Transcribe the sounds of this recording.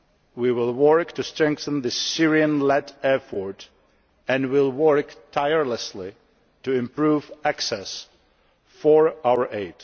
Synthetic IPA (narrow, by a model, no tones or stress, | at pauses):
wiwɪlˠwɜɹktɨstɹɛ̃ŋkθə̃n̩ðɨsɪɹiɨ̃nlɛtɛɹfɔɹt | ɨ̃nwɪlˠwɜ˞ktʰaɪəɹləsli | tɨɪ̃mpʰɹuvæksɛs | fəɹawə˞ʔeɪd̥